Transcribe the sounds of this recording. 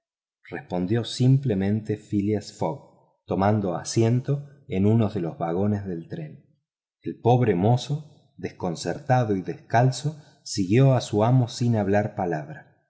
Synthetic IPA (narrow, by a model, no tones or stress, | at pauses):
respo̞nd̪jo̞simplemẽ̞nt̪efiliasfoɣ | t̪o̞mand̪o̞a̰sje̞nt̪o̞enunoðelozβaɣo̞nezðe̞lt̪ɾe̞n | elpo̞βɾemo̞so | ðesko̞nseɾt̪aðo̞iðeskalso | siɣjo̞asuamo̞sinaβlaɾpalaβ̞ɾa